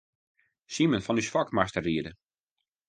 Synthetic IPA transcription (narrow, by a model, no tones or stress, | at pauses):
simənfɔnysfɔkmastəriədə